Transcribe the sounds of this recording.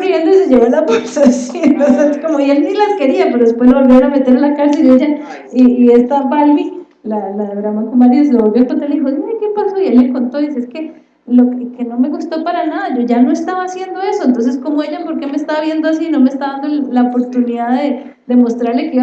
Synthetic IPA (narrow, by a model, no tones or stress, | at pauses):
rjend̪oiseʝeɣolapesasiosakomoielnilaske̞ɾiape̞ɾoðes̬pwezloβo̞lbjoeɾame̞t̪e̞ɾalakaɾselieʝa | iiːe̞st̪abalbi | lalaðeβɾamaŋkomaɾjesloβolβjokont̪ɾaleixoieke̞paso̞ie̞lmeko̞nt̪o̞ðis̬eeske̞ | lokekeno̞me̞ɣust̪o̞paɾanaðaʝo̞ʝano̞e̞st̪aβaːsje̞nd̪o̞e̞so̞ent̪o̞ns̬e̞sko̞moe̞ʝapo̞ɾkemest̪aβaβje̞nd̪oasiːno̞mest̪aβaðand̪ollaopo̞ɾt̪uniðaðe | d̪e̞mo̞st̪ɾaɾle̞keiβ